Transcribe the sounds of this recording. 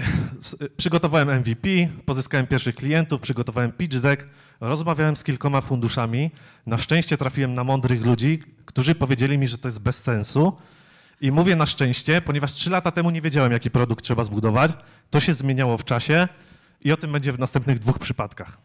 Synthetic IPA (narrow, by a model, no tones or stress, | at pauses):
spʂɘɡɔt̪ɔvawɛmɛnvʲipʲipɔzɘskawɛmpʲjɛɾfʂɘxklʲijɛnt̪ufpʂɘɡɔt̪ɔvawɛmpʲid͡ʐd̪ɛk | ɾɔzmavʲjawɛmskʲilkɔmafund̪uʂamʲi | naʂt͡ʂɛ̃ɕt͡ɕɛt̪ɾafʲiwɛmnamɔnd̪ɾɘxlud͡ʑikt̪uʐɘpɔvʲjed͡ʑelʲimʲiʐɛt̪ɔjɛt̪̚bɛsːɛ̃nsu | imuvʲjɛnaʂt͡ʂɛ̃w̃ɕt͡ɕɛpɔɲɛvaʂtʂɘlat̪at̪ɛmuɲevʲjed͡ʑawɛmjakʲipɾɔd̪uk̚t̪tːʂɛbazbud̪ɔvat͡ɕ | t̪ɔɕɛzmʲjeɲawɔft͡ʂaɕɛ | iɔt̪ɘmbɛɲd͡ʑɛvnast̪ɛmpnɘɣd̪vuxpʂɘpat̪kax